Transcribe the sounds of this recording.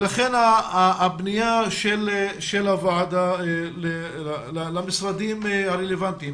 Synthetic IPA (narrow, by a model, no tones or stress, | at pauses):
laχenaːbnijaʃelʃelavaʕd̪ale | alalamisɾad̪imhaʁelevant̪im